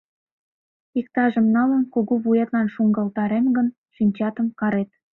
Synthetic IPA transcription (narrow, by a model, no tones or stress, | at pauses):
ik̚t̪ɑʒə̆mnɑlənkoɣoβujet̪lɑnʃuŋɡɑlt̪ɑɾemɡən | ʃinʲt͡ɕɑt̪əmkɑɾet̪̚